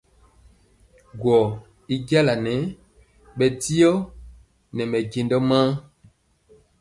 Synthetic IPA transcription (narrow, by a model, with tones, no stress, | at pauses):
ɡwɔ˨ | i˦ɡja˦la˨nɛ˨˦ | ɓɛ˨ti˦jɔ˦ | nɛ˨mɛ˨ɡe˨ndɔ˦mã˦